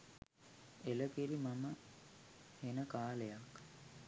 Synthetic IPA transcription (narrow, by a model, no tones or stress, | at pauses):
eləkiɾimamə | henəkaːlejak